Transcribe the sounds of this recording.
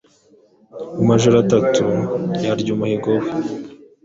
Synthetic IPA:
umaʒoɾatatujaɾɟuːmuheɡowe

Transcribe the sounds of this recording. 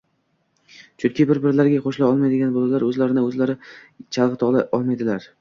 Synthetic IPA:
t͡ʃʰʊnkʲʰɪbɪɾbɪɾlaɾɡʲaχoʃlaɒlˠmajd̪ɪɡʲanbolalaɾɵzlaɾɪnɪɵzlaɾɪ | t͡ʃʰalˠʁɨt̪ʰɒlˠaʔɒlˠmajd̪ɪlaɾ

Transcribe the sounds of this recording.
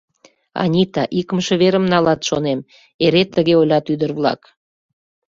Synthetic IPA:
ɑ̰nʲit̪ɑʔikəmʃĕβeɾəmnɑlɑt̪ʃonem | eɾet̪ːəɣeolʲɑt̪yd̪ərβlɑ̰k

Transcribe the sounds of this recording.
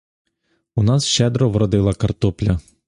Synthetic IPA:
unɑsʃɛd̪ɾɔʋɾɔd̪ɪlˠɐkɐrt̪ɔplʲɐ

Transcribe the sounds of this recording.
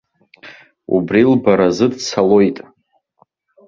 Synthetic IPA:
ṵbrilbaɾazɨdt͡sʰalo̞jtʼ

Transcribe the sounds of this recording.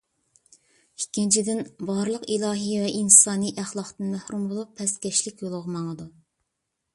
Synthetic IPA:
ikʲʰːint͡ʃʰid̪ɪnbɑɾlˠəqilˠɑːɦɨvɛʔinsɑːniʔæχlˠɑqt̪ɨnmæhɾumbolˠupʰːɛst̪kʲɛʃlɪkʲjolˠʊʁəmɑŋəd̪u

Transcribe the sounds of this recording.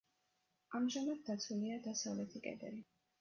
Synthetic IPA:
amʒamad̪̚d̪at̪sʰuliad̪asavlɛt̪ʰikʼɛ̰d̪ɛɾi

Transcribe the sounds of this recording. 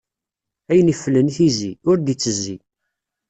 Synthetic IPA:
æjənifəlːənθiziʊɾd̪it͡sːəzːḭ

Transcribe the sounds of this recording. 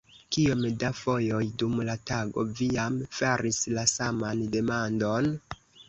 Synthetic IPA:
kiomdafo̞jo̞jdumlataɡo̞̰vijamfaɾʔislasamande̞mando̞n

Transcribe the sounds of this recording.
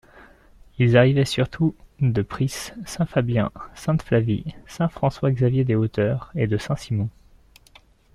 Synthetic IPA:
ilzaʁivɛsyʁt̪ʰud̪əpχisːɛ̃fabjɛ̰̃sɛ̃t̪flavisɛ̃fχɑ̃swaɡzavjed̪eot̪œʁed̪əsɛ̃simɔ̃

